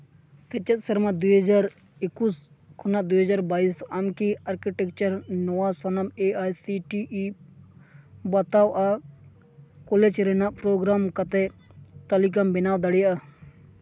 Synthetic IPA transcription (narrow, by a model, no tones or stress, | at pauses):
set͡ʃɐt̪̚sɐɾmad̪uɦɐd͡ʒaːɾ | ɪkːus | kʰunad̪uɦəd͡ʒaːɾbaːisamkiɐɾkiʈek̚t͡ʃəɾnowasɐnɐmeaːjsiʈiʔi | bat̪aːwa | kolet͡ʃɾenaʔpɾoːɡɾaːmkɐt̪et̪ɐlik̬ɐmbɪnaːwd̪ɐɽija